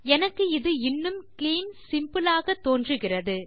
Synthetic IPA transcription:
ɛnɐkːɯɪðɯɪnːɯmkliːnsɪmpɯlaːɣɐt̪ːoːndrɯɣɪrɐðɯ

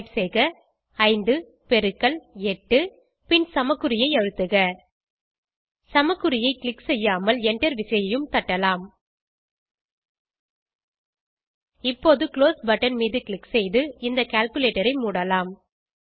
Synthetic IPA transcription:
ʈsɛjɣɐ | ɐɪnd̪ɯ | pɛɾɯkːɐlɛʈːɯ | pɪnsɐmɐkːɯɾɪjɐɪɐɻɯt̪ːɯɣɐ | sɐmɐkːɯɾɪjɐɪkɭɪksɛjːaːmɐlɛɳɖɐɾʋɪsɐjɐjɯmt̪ɐʈːɐlaːm | ɪpːoːðɯkloːsbɐʈːɐnmiːðɯkɭɪksɛjðɯɪnd̪ɐkaːlkɯleːʈːɐɾɐɪmuːɽɐlaːm

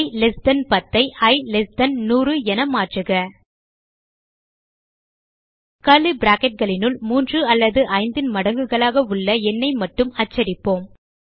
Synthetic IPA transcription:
lɛsd̪ɐnpɐt̪ːɐɪɐɪlɛsd̪ɐnnuːrɯɛnɐmaːʈrɯɣɐ | kɐlɯbɾaːkɛʈ̚ɣɐɭɪnɯɭmuːndrɯɐlːɐðɯʔɐɪnd̪ɪnmɐɽɐŋɡɯɣɐɭaːɣɐʊɭːɐɛnːɐɪmɐʈːɯmɐt͡ʃːɐɾɪpːoːm

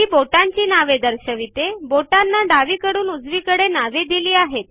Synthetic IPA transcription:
iːboʈaɲt͡ɕiːnaʋed̪əɾɕəʋit̪eboʈanːaɖaʋiːkəɽuːnud͡zʋiːkəɽenaʋed̪iliːaɦet̪

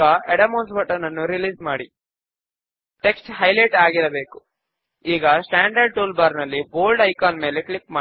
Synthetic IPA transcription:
ɐeɽɐmoːnsbɐʈɐnɐnːuɾiliːzmaːɽi | ʈe̞ksʈɦɐjlɐjʈaːɡiɾɐbe̞ːku̥ | iːɡɐsʈaːɳɖɐɾɖ̚ʈuːlbaːɾnɐlːiboːlɖɐjkaːnme̞ːlekɭipmaː

